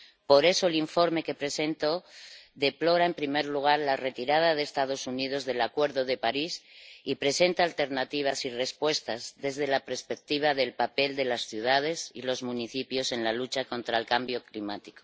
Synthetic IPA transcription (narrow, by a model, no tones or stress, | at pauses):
po̞ɾe̞soeliɱfo̞ɾme̞ke̞pɾe̞se̞nt̪o̞ðe̞plo̞ɾaempɾime̞ɾluɣ̞aɾlare̞t̪iɾað̞að̞eːst̪að̞o̞sunið̞o̞zðe̞lakwe̞ɾðo̞ðe̞paɾisipɾe̞se̞nt̪aːlt̪e̞ɾnat̪iβ̞asire̞spwe̞st̪azðe̞zðe̞lapeɾspe̞k̚t̪iβ̞aðe̞lpape̞ld̪e̞lasθjuð̞að̞e̞silo̞zmũniθipjo̞se̞nlalut͡ʃako̞nt̪ɾaelkambjo̞klimat̪i̥ko